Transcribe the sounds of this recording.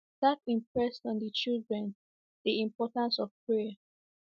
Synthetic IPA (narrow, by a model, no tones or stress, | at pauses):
dat̚ĩmpɹɛstɔ̃ndət͡ʃildɹɛ̃n | ð̥iĩmpɔtãnsɔv̥pʰɹɛa